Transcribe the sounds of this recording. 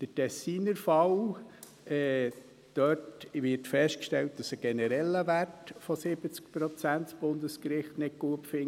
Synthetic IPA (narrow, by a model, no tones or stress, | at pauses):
d̪̥ətɛsiːnəɾfɑw | ɛː | d̥œtʋɪrtfɛsʃtkʃtɛlt̚d̥ɑsəɡ̥ɛnəɾɛlːəʋærtfɔsɪb̥ət͡sk̚pɾɔt͡sæntsb̥ʊnd̪əskɾɪχtnɪk̚ɡ̥uəpfɪŋ